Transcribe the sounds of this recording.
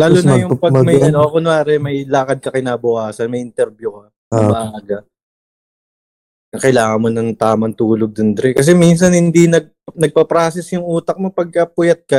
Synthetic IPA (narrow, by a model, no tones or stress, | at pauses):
laːllʊnjʊŋpɐɡmɐɐnoʔɐkonʊaːɾɛmɐjlaːkɐd̪̚kɐkɪnaːbʊʔaːsɐnmɐjɪnt̪ɛɾbjukɐ | nɐbɐʔaːɡɐ | nɐkɐjlaːŋɐŋmonɐŋt̪aːmɐŋt̪uːloɡ̚d̪ʊnd̪ɾɛkɐs̬ɛmins̬ɐnhɪnd̪inɐɡ̚nɐɡ̚pɐpɾaːsɛsjʊŋʔuːt̪ɐk̚mopɐɡ̚kɐpʊjɐt̪̚kɐ